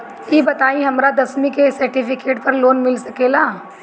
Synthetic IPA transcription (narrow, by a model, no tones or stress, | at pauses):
jiːbɐt̪aːĩɦɐmɾad̪ɐsmĩkesɐɾʈipʰɪkeːʈpɐɾloːnmɪlsɐkeːlaː